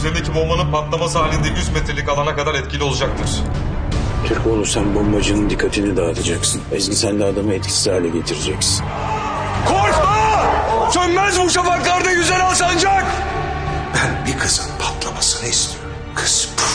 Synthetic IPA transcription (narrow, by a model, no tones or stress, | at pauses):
zend̪ecʰibo̞mbanɯnpʰat̪lˠamas̬ɦaːlʲind̪ɛjyzmet̪ʰɾelʲicalˠanakad̪aɾɛt̪cʰilʲio̞lˠud͡ʒak̚t̪ʰɯɾ̥ | t̪ʰyɾcolˠuɾsanbombad͡ʒɯnɯnd̪ikʰːat̪ʰinid̪aːt̪ʰad͡ʒaksɯnɛzɟʲisænʲd̪ɛad̪amaɛt̪̚cʰi̥siaːlʲɛɟet̪ʰiɾid͡ʒɛcsin | kʰoɾkasønmæzbuʃafaklˠaɾd̪ajyzɛnalˠsand͡ʒak | b̥ænbikʰɯsɯnpʰat̪lˠamasɯnaist̪ʰi̥ɾ | kʰɯ̥sp